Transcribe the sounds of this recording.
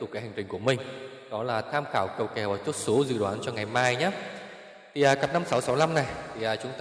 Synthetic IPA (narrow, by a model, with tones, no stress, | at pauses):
t̪ʊ˨˩k͡p̚kːaː˨˦ha˨˩jŋ̟t͡ɕï˨˩ŋ̟ku˧˩əmï˨˩ŋ̟ | ɗɔ˨˦laː˨˩t̪ʰaː˧mxaː˧˩wkə˨˩wkɛ˨˩waː˨˩t͡ɕu˦˥t̚so˨˦zɨ̰˧˨ɗwaː˨˦nt͡ɕɔ˧wŋa˨˩jmaː˧jɲaː˨˦˥ | t̪ʰi˨˩ʔaː˨˩kaː˦˥p̚na˧msa˨˦wsa˨˦wna˧mna˨˩jt̪ʰi˨˩ʔaː˨˩t͡ɕʊ˨˦ŋ͡mt̪